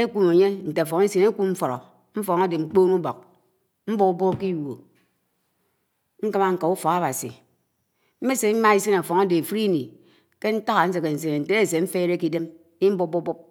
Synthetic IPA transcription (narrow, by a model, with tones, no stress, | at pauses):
e˦kʷu˦me˨ɲe˦n̩˨te˨fɔ˨ŋe˦se˨ne˦ku˦mm̩˦fɔ˨ɾɔ̰˨ | m̩˦fɔ˨ŋa˦de˨ŋ͡m̩˨k͡poː˦nu˦bɔ̰˨k̚ | m̩˦bo˦ku˦bo˦ki˦jo˨ | ŋ̩˦ka˦ma˦ŋ̩˦ka˨u˦fɔ˨ɣa˦ba˨sḭ˨ | m̩˦me˦se˨˦ma˦i˦si˦na˨fɔ˨ŋa˦de˨e˨fɾi˦ni˨ | ke˦n̩˦ta˦ɣa˨n̩˦s̬e˨ke˨n̩˨s̬e˨ne˨n̩˨te˨˦e˦˨se˨ɱ̩˦fe˦ɾe˦ki˦de˦m | ni˦m̩˦bu˦bu˦bu˦p̚